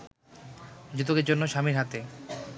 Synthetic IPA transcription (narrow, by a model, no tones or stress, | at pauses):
d͡ʑut̪̬okeɾd͡ʑonːoʃamiɾɦat̪e